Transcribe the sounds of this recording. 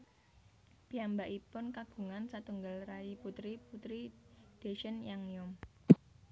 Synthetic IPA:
b̥i̤ambaʔipʊnkaɡ̥ṳŋansat̪uŋɡəlraiput̪ɾiput̪ɾid̪̥eʃənjaŋjʊm

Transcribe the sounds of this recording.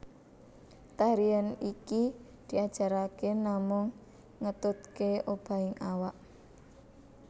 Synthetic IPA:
t̪aɾianiki | d̪̥i̤ad̥ʒ̥a̤ɾakenamʊŋː | ət̪ʊt̪̚keob̥a̤ɪŋawaʔ

